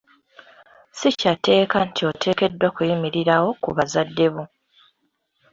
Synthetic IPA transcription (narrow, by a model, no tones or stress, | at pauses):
sicate̞ːkantʰio̞tʰe̞ːke̞dːakujimiɾiɾawo̞kuβazadːe̞βu